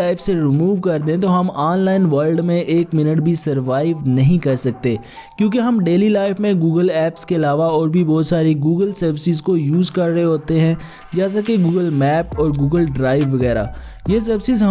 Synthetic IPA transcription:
aːɪfseɾɪmuːʋkɐɾd̪ẽt̪oɦɐmaːnlaːɪnʋəɾlɖmẽʔeːkmɪnəʈbʱisɐɾʋaːɪʋnɐɦĩkɐɾsɐk̚t̪eː | kjõːk̬eɦɐmɖeːlilaːɪfmẽɡuːɡəlɛːpskeɐlaːʋaɔːɾbʱibɔːt̪saːɾiɡuːɡəlsɐɾʋɪsɪzkojuːzkɐɾːɦeɦoːt̪eɦɛ̃ | d͡ʒɛːs̬akeɡuːɡəlmɛːpɔːɾɡuːɡəlɖɾaːɪʋːɐɣɛːɾa̰ː | jes̬ɐɾʋɪsɪzɦɐ

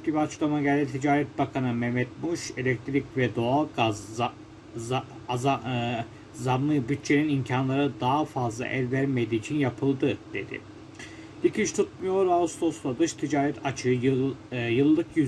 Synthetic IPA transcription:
t̪ʲibiat͡ʃklˠamaɟælʲd̪ʲit̪ʰid͡ʒaːɾɛt̪̚bakʰanɯmɛmɛt̪̚muʃe̞lʲɛc̚t̪ʰɾicvɛd̪oalˠɡaz | z | zaɾmɯbyt̪̚t͡ʃʰe̞ninimcʰanlˠaɾɯd̪aɦafazlˠa̰ʔɛlʲvæɾmed̪iːt͡ʃʰinjapʰɯlˠd̪ɯd̪̥e̞d̪ɪ̰ | lʲicʰint͡ʃt̪ʰut̪̚mujo̞ɾaust̪ʰoslˠad̪ɯʃt̪ʰid͡ʒaːɾɛt̪ʰat͡ʃʰɯ | jɯlˠːɯkʰjy

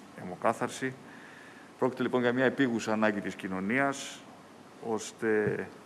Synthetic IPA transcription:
emokɐθɐɾsi | pɾo̞ci̥t̪elipo̞nʝɐmɲɐe̞piɣusɐːnɐɲɟit̪iscino̞niɐs | o̞st̪e̞

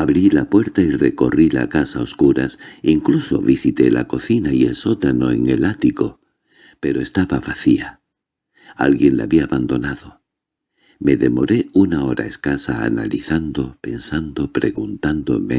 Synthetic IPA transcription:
aβɾilapwe̞ɾt̪aire̞ko̞rila̰kasao̞skuɾasiŋkluso̞̰βisit̪e̞la̰ko̞θinaie̞lso̞t̪ano̞e̞ŋe̞lat̪iko̞ | pe̞ɾo̞e̞st̪aβaβaθia | alɣje̞nlaβiaːβand̪o̞naðo̞ | me̞ðemo̞ɾe̞unao̞ɾa̰e̞skasa̰ːna̰liθand̪o̞pe̞nsand̪o̞pɾe̞ɣunt̪and̪o̞̰me̞̰

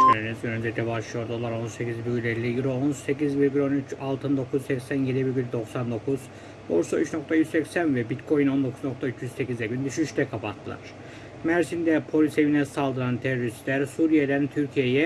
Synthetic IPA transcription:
eɾinizɡønynd͡ʒ̪et̪ʰɛbaʃlˠɯjo̞ɾd̪olˠaɾo̞nsecʰizbyɡylʲelʲːijiɾoonse̞cizviɾɡylʲnyt͡ʃalˠt̪ʰɯnd̪o̞kʰuzsɛcsænje̞d̪ibiɾɡʲylʲd̪o̞ksand̪o̞kʰuz̥ | bo̞ɾsayt͡ʃno̞k̚t̪ʰajyzsɛcsænvɛbit̪kʰo̞jino̞nd̪o̞kʰuzno̞k̚t̪ʰayt͡ʃʰjyzse̞cizɛɟynd̪yʃyʃt̪ɛkʰapat̪ʰːɯlˠa̰ɾ̥ | mæɾsind̪ɛpʰo̞lʲise̞vinɛsalˠd̪ɯɾant̪ʰeɾoɾist̪lʲæɾsuɾijelʲæɾint̪ʰyɾcʰijejɛ

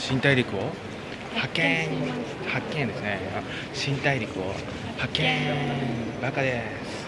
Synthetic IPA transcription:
ɕĩnt̪aiɾʲikɯ̟o | hhakẽɲ | hakːẽnd̪e̞sɨnema | ɕĩnt̪aiɾʲikɯ̟o̰ | hakẽɲ | bakad̪e | sɨ̥

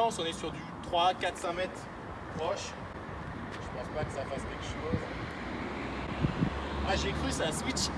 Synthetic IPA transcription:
ɑ̃sɔ̃nɛsyʁd̪yt̪χwakʲat̪χsɛ̃mɛt̪χ | pχɔʃ | ʒ̥əpɑ̃spakəsafaskʲɛlkə̥ʃoz | aʒekχysaswit͡ʃ

